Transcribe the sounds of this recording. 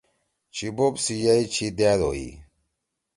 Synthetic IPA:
t͡ɕʰibobsijɐit͡ɕʰid̪ed̪o̰ḭ

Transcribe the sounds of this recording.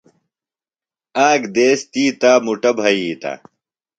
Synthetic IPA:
aːɡd̪eːst̪iːt̪aːmuʈɐbʱɐit̪a̰ː

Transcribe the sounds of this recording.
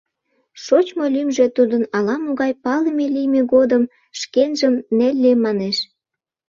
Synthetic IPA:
ʃot͡ɕmolymʒet̪ud̪ənɑlɑmoɣɑjpɑləmelijmeɡod̪əm | ʃkenʒəmnelʲːemɑneʃ

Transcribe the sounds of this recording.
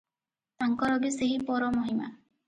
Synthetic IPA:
t̪aŋkɔɾɔɡiseɦipɔɾɔmoɦima̰

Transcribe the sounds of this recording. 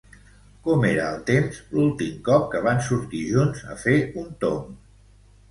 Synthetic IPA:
kɔmeɾəːlˠt̪emzlulˠt̪imkɔp̚kəβ̞ansuɾt̪iʒunzə̰feunt̪o̰m

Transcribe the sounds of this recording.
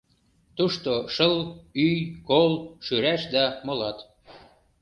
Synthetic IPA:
t̪uʃt̪oʃəlyjkolʃyɾæʃd̪æmolɑt̪

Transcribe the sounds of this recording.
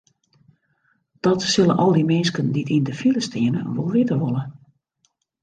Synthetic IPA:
d̥ɔtsɪlə̰nʔɔlˠdimɪnskənditʰindəfiləstʰɪənə̰ə̰nʋolˠʋɪtəʋolˠə

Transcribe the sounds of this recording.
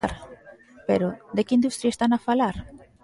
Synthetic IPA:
aɾ | peɾod̪ekɪind̪ust̪ɾjaest̪anafalaɾ

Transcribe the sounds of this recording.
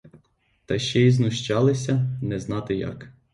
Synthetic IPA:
t̪ɐʃt͡ʃɛiznʊʃt͡ʃɑlˠɪsʲɐnɛznɑt̪ɪjɑ̰k

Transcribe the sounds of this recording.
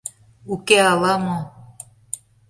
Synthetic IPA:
ukeɑlɑmo

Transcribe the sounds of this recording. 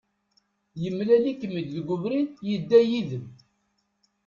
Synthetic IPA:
jəmːlælikːəmːid̪ðɡʷʊvɾinjəd̪ːæjiðəm

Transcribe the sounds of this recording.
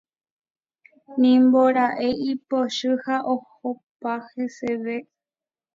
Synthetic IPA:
nĩmboɾaʔeʔipoʃɨhaʔohopaheseʋe

